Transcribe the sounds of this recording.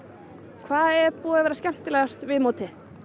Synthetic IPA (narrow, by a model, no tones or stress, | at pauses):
kʰvaːðɛɾpuːðavɛːɾascɛm̥t̪ɪlajɣast̪vɪðmoːwt̪ʰɪ